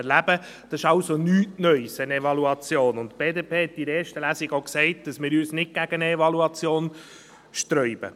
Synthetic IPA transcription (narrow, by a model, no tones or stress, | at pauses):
ɛɾlæbə | d̥ɑsɪʃɑwsonyːtnœʏsənevɑluɑt͡sjoːnʊntb̥eːdeːpʰeːhɛt̚d̥iɾeːɾʃtəlæsɪɡoksɛɪt̚d̥ɑsmɪːɾyːsnɪt̚ɡ̥æɡ̥ənəevɑluɑt͡sjoːn | ʃtɾœʏb̥ə̰